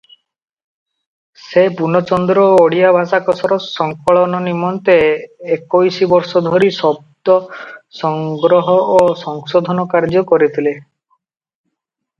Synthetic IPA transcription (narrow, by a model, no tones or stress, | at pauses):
sepunɔt͡ʃɔnd̪ɾɔoɽijabʱasakɔsɔɾɔsɔŋkɔɭɔnɔnimɔnt̪eːkojsibɔɾsɔd̪ʱɔɾisɔb̚d̪ɔsɔŋɡɾɔɦɔʔosɔŋsɔd̪ʱɔnɔkaɾd͡ʒɔkɔɾit̪ʰile